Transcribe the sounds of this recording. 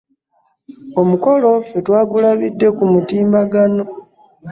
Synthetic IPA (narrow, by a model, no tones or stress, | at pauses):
o̞muko̞lo̞fetwaːɡulaβidːe̞kumutiːmbaɡano̞